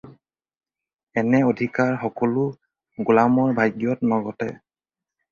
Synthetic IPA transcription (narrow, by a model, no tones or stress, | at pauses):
ɛnɛodʱikaɹxɔkɔlʊ | ɡulamɔɹbʱajɡjɔtnɔɡɔtɛ̰